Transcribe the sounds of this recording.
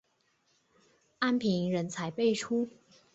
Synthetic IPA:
a˥npʰi˧˥ŋɻə˧˥nt͡sʰa˧˥ɪpe˥˩ɪʈ͡ʂʰu˥

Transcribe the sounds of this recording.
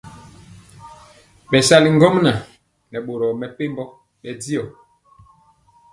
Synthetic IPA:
ɓɛ˨sa˦li˨ŋɡɔ˦mna˨ | nɛ˨ɓo˨ɾɔ˨mɛ˨pe˦mbɔ˦ | ɓɛ˨di˦ɔ˨

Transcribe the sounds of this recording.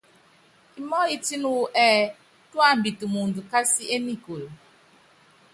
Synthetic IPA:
i˨mɔ˦i˨ti˦nu˨ʔɛː˦˨ | tu˦a˦˨m̩˨bi˨tu˨mu˨n̩˨du˨ka˦si˦e˦ni˦ko˨l

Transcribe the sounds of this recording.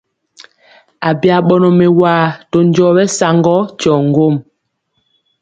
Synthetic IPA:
a˨bja˨ɓɔ˨nɔ˨me˨waː˨to˨n˦d͡ʒɔ˨˦bɛ˦sa˨ŋɡɔ˦t͡ʃɔ˨ŋ̩˦˨ɡo˦˨m

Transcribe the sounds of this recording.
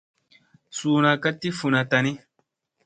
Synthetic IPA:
suː˨na˨ka˦tːi˦fu˨na˨ta˨ni˦

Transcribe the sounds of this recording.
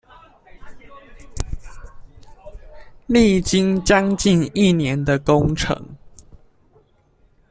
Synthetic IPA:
li˥˨t͡ɕi˦nt͡ɕjɑ˦ŋt͡ɕi˥˨ni˥˨njɛ˨˦nd̪ə˨ko˦˥ŋʈ͡ʂʰɤ̰˨˦ŋ

